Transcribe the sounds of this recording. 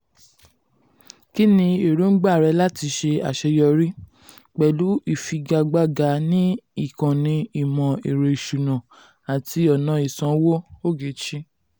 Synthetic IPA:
ki˦nĩ˧e˨ɾu˨˦n̩˦ɡ͡ba˦˨ɾɛ˧˦la˦ti˧˦ʃe˧a̰˨ʃɛ˧jɔ˧ɾi˦ | k͡pɛ˨lu˨˦i˦˨fi˧ɡa˧ɡ͡ba˦˨ɡa˧˦nĩ˦i˦˨kã˨nĩ˧i˨mɔ̃˨e˨ɾe˧˨ʃu˨nã˨ | a˨ti˧ɔ˨nã˨˧˦i˨sã˨˦wo˦o˦˨ɡe˨˦t͡ʃĩ˦

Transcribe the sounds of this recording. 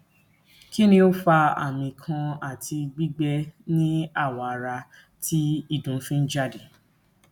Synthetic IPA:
ki˦nĩ˧o˦fa˧a̰˦˨mĩ˨kʰã˧a˦˨tʰi˧ɡ͡bi˦ɡ͡bɛ˦nĩ˦a˦˨wa˨ɾa˧ | tʰi˦i˦˨dũ˨˦fĩ˦n̩˦d͡ʒa˦˨di˨

